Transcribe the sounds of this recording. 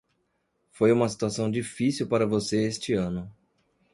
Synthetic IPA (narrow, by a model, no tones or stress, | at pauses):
fojũmɐsi̥t̪uasɐ̃w̃d͡ʒifisiwpaɾɐvoseest͡ʃɪɐ̃nʊ